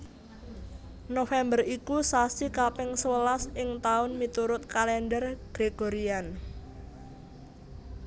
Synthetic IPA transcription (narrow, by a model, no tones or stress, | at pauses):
nofɛmbərikusasikapɪŋsəwəlasɪŋt̪aʊnmit̪uɾʊt̪̚kalɛndərɡ̥ɾeɡ̥oɾian